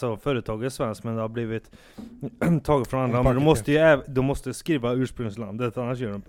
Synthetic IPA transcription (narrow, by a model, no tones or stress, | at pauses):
sɔfœːɾət̪ʰɑːɡəsvɛnskmɛnd̪ɛhaɾbliːvɪt̪ | t̪ʰːɑːɡət̪fɾɔnand̪ɾamɛnd̪ɔmɔst̪əjɵɛːd̪ɔmːɔst̪əskɾiːvaʉːʂpɾɵŋsland̪ət̪ʰanːaʂ̬jœːɖɔmp